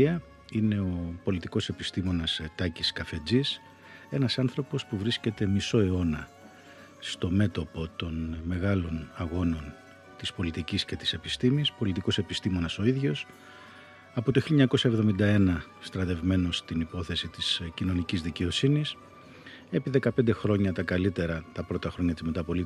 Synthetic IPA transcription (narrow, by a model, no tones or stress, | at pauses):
iɐ | ine̞o̞po̞lit̪iko̞se̞pist̪imo̞nɐst̪ɐciskɐfe̞d͡zis | e̞nɐsɐnθɾo̞po̞spuvɾisce̞t̪e̞miso̞e̞o̞nɐ | st̪o̞me̞t̪o̞po̞t̪o̞nme̞ɣɐlo̞nɐɣo̞no̞n | t̪ispo̞lit̪iciscet̪i̥se̞pist̪imispo̞lit̪iko̞se̞pist̪imo̞nɐso̞iðʝo̞s | ɐpo̞t̪oçiljoɲɐko̞sɐevðo̞mind̪ɐe̞nɐ | st̪ɾɐt̪e̞vme̞no̞st̪inipo̞θe̞sit̪iscino̞nicizðice̞o̞sinis | e̞piðe̞kɐpe̞nd̪e̞xɾo̞ɲɐt̪ɐkɐlit̪e̞ɾɐt̪ɐpɾo̞t̪ɐxɾo̞ɲɐt̪izmet̪ɐpo̞li